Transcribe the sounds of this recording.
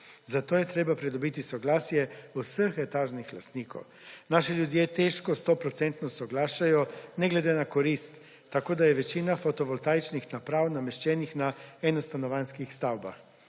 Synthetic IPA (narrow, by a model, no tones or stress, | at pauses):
zat̪oːjɛt̪ɾeːbapɾɛd̪ɔbit̪isɔɡlaːsjɛusəxɛt̪aːʒnixlast̪niːkɔ̰w | naːʃɛljud̪jet̪ɛʃkɔst̪opɾɔt̪sɛnt̪nɔsɔɡlaːʃajɔnɛɡlɛd̪enakɔɾist̪ː | akoːd̪ajɛʋɛt͡ʃiːnafɔt̪ɔʋɔlt̪aːjt͡ʃnixnapɾaːwnamɛʃt͡ʃɛːnixnaɛnɔst̪anɔʋanskixst̪awbax